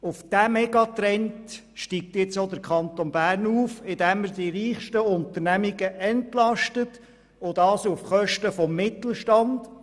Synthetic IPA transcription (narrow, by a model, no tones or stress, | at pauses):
ufd̥æmɛɡɑt̪ɾɛnt | ʃtiːk̚t̪jɪt͡sod̪əɾkʰχɑnt̪onbæːrnuːfɪd̥æmːəɾdiɾiːχʃtəʊnt̪əɾnæmiɡəʔɛntlɑʃtət | od̥ɑːsufχœʃtəfɔmːɪt̪l̩ˠʃtɑnd̥